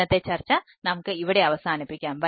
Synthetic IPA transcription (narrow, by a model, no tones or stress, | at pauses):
ɐt̪ːet͡ɕɐrt͡ɕːɐ | nɐmukːɨiʋiɽe̞ɐʋɐsaːnipːikʲːaːmʋɐ